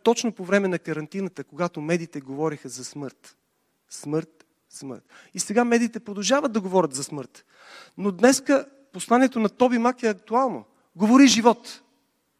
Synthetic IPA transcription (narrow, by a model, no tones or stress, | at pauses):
t̪ɔt͡ʃnopovɾɛmɛnɐkəɾɐnt̪inət̪əkoɡat̪omɛd̪iːt̪ɛɡovɔɾixəzɐsmɤɾt̪ | smɤɾt̪ | smɤ̰ɾt̪ | isɛɡamɛd̪iːt̪ɛpɾod̪ɐlˠʒavəd̪ɐɡovɔɾʲət̪zɐsmɤɾt̪ | nod̪nɛskə | poslˠaniɛt̪onɐt̪ɔbimakɛɐkt̪ualˠno̰ | ɡovoɾiʒivɔt̪